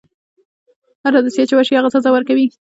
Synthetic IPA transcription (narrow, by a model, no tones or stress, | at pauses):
haɾad̪asjet͡ʃewaʃiaɣasazawəɾkawi